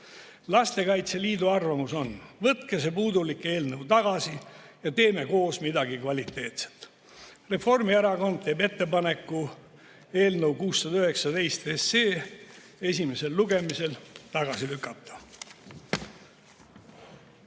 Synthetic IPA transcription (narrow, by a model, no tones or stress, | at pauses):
lɑst̪e̞kɑjt̪seliːd̪uɑrvɑmuso̞nvɤt̪kese̞puːd̪ulikːe̞ːlnəwt̪ɑɡ̥ɑsijɑt̪e̞ːme̞ko̞ːsmid̪ɑɡikvɑlʲit̪ːˑe̞ːt̪set̪ | re̞fo̞rmieɾɑɡo̞nd̪̥̚t̪e̞ːbe̞t̪ːe̞pɑne̞kːˑu | e̞ːlnəwkuːsːɑd̪ɑyhe̞ksɑd̪e̞jst̪eseː | e̞sʲime̞se̞lːuɡe̞mise̞lt̪ɑɡ̥ɑsilykːˑɑt̪ːˑɑ̥